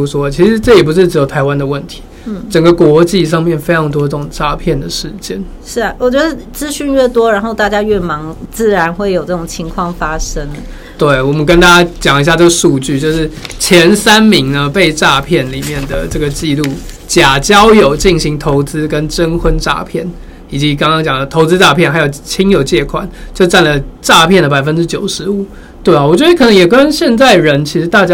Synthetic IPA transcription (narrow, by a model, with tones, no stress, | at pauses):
u˥ʂwɔ˦t͡ɕʰi˧˥ʂɻ̩˧˥ʈ͡ʂɤ˥˩jɛ˨˩pu˧˥ʂɻ̩˥˩ʈ͡ʂɻ̩˧˥jo˨˩ʊt̪ʰa˧˥ɪwa˦nd̪ə˨wə˥˩nt̪ʰi̥˧˥˩ʈ͡ʂə˨˩ŋɡə˦kwɔ˧˥t͡ɕi˥˧ʂ̬ɑ˥˧ŋmjɛ˥˨˩nfe˥ɪʈ͡ʂʰɑ˧˥ŋt̪wɔ˥ʈ͡ʂə˥˩ʈ͡ʂʊ˨˩ŋʈ͡ʂa˥˧pʰjɛ˥˩nd̪ə˩ʂɻ̩˥˩t͡ɕjɛ̰˥˩n | ʂɻ̩˥˩wɔ˨˩t͡ɕɥɛ˧˥d̪ə˧t͡sɹ̩˥ɕy˥˧nɥɛ˥˩t̪wɔ˥ɻa˧˥nxo˥˧ʊt̪a˥˩t͡ɕja˥ɥɛ˥˩mɑ˧˥ŋt͡sɹ̩˥˩ɻa˧˥nxwe˥˩ɪjo˨˩ʊʈ͡ʂɤ˥˩ʊ˨˩ŋt͡ɕʰi˧˥ŋkʰwɑ˥˩ŋfa˥ʂə˥ŋ | t̪we˥˩ɪwɔ˨˩mə˦nk̬ə˥nt̪a˥t͡ɕja˥t͡ɕjɑ˨˩ŋi˧˥ɕja˥˧ʈ͡ʂə˥˩ɡə˩ʂu˥˧t͡ɕy˥˧t͡ɕjo˥˧ʊʂɻ̩˥˩t͡ɕʰjɛ˧˥nsa˦˥nmi˧˥ŋnə˧pe˥˧ɪʈ͡ʂa˥˧pʰjɛ˥˩nli˨˩mjɛ˥˩nd̪ə̰˩ʈ͡ʂɤ˥˩ɡə˩t͡ɕi˥˧lu˥˩ | t͡ɕja˨˩t͡ɕjɑ˦ʊjo˨˩ʊt͡ɕi˥˩ŋɕi˧˥˦ŋt̪ʰo˧˥ʊt͡sɹ̩˥kə˦˥nʈ͡ʂə˦nxwə˦˥nʈ͡ʂa̰˥˧pʰjɛ˥˩n | i˨˩t͡ɕi˧˥˦kɑ˥ŋkɑ˥ŋt͡ɕjɑ˨˩ŋd̪ə˦t̪ʰo˧˥ʊt͡sɹ̩˥ʈ͡ʂa˥˧pʰjɛ˥˩nxa˧˥ɪjo˨˩ʊt͡ɕʰi˥ŋjo˨˩ʊt͡ɕjɛ˥˩kʰwa̰˨˩˦nt͡ɕjo˥˧ʂʈ͡ʂa˥˩nlə˩ʈ͡ʂa˥˧pʰjɛ˥˩nd̪ə˩pa˨˩ɪə˦nʈ͡ʂɻ̩˥t͡ɕjo˨˩ʊʂɻ̩˧˥u˨˩˦ | t̪we˥˩ɪɔ˨˩wɔ˨˩t͡ɕɥɛ˧˥ə˧kʰɤ˨˩nə˧˥ŋjɛ˨˩kə˦˥nɕjɛ˥˧nt͡sa˥˩ɪɻə˧˥nt͡ɕʰi˧˥ʂɻ̩˧˥t̪a˥˧t͡ɕja˥